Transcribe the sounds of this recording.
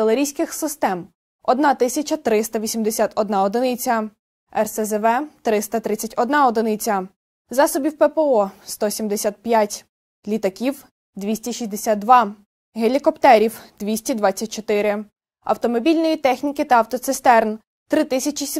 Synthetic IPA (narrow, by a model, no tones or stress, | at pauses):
elˠeɾʲijsʲkɪxsɪst̪ɛm | ɔd̪nɑt̪ɪsʲɐt͡ʃɐt̪ɾɪst̪ɐʋʲisʲimd̪esʲat̪ɔd̪nɑɔd̪ɪnɪt͡sʲɐ | ɛrsɛzɛʋɛt̪ɾɪst̪ɐt̪ɾɪt͡sʲːɐtʲɔd̪nɑɔd̪ɪnɪt͡sʲɐ | zɑsɔbʲiwpɛpɛɔst̪ɔsʲimd̪esʲat̪̚pʲjatʲ | lʲit̪ɐkʲiw | d̪ʋʲisʲtʲiʃisʲd̪esʲad̪̚d̪ʋɑ | ɦelʲikɔpt̪ɛɾʲiwd̪̥ʋʲisʲtʲid̪ʋɑt͡sʲːɐt̚ʲt͡ʃɔt̪ɪɾɪ | ɐ̰wt̪ɔmɔbʲilʲnɔjit̪ɛxnʲikɪt̪ɐɐwt̪ɔt̪sɪst̪ɛrn | t̪ɾɪt̪ɪsʲɐt͡ʃisʲ